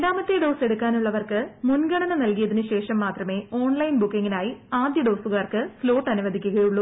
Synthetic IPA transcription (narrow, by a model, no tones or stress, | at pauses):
ɾaːmɐt̪ːeɖo̞ːse̞ɽukːaːnuɭːɐʋɐrkɨmunɡɐɳɐnɐnɐlkijɐðinɨɕe̞ːʂɐmːaːt̪rɐme̞ːo̞ːɳlɐjnbukːiŋːinaːjiaːd̪jɐɖo̞ːsuɣarkɨslo̞ːʈːɐnuʋɐd̪ʱikʲːuɣɐjuɭːu